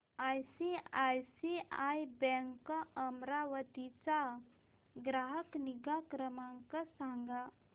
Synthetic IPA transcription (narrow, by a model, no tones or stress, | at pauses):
ajsiajsiajbɛŋkəmɾaʋət̪it͡ɕa | ɡɾaɦəkniɡakɾəmãŋkəsãŋɡa